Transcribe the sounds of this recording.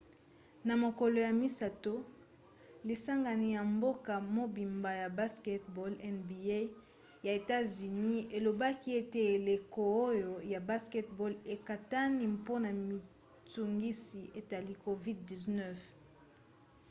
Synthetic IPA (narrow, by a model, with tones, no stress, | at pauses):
na˨mo˨ko˨lo˨ja˨mi˦sa˨to˦ | li˨sa˦ŋɡa˨ni˨ja˨mbo˦ka˨mo˦bi˨mba˨ja˨ba˦skɛ˦tbɔ˦lɛ˦nbi˨e˦ | ja˨e˨ta˦zy˨ni˦e˨lo˨ba˦ki˦e˦te˦˨le˨ko˨o˦jo˨ja˨ba˦skɛ˦tbɔ˦le˨ka˨ta˦ni˦po˦na˨mi˨ | tu˨ŋɡi˦si˨e˨ta˨li˦ko˨vi˦d̚di˨znɛ˦f